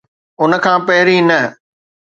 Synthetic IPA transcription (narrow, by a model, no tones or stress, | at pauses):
ʊnə̆kʰãːpɐɦɪɾinɐ